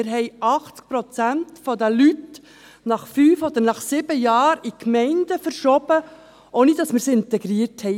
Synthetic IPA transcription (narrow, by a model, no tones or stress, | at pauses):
ɪɾɦɛɪʔɑχt͡sk̚pɾɔt͡sæntfɔd̪əlyt | nɑχfyːfod̪əɾnɑχsɪbəjɑːɾikmɛɪndəfəɾʃɔb̥ə | ʔoːnid̥ɑsmɪːɾsɪnt̪ɛɡɾiːəɾthɛɪ